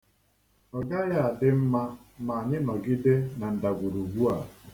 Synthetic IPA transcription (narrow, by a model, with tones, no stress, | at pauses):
ɔ˨ɡa˦ja˨dɪ˦m̩˦ma˦ma˨a˨ɲɪ˦mɔ˨ɡi˦de˦na˨n̩˨da˨ɡʷu˨ɾu˨ɡu˦a˨